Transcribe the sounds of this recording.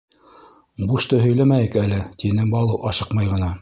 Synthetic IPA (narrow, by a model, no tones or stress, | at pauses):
buʃt̪ɤɦɵ̆jlæmæjɘkælɘt̪inɘbɑlˠɤwʔɑʃɤqmɑjʁɤ̆nɑ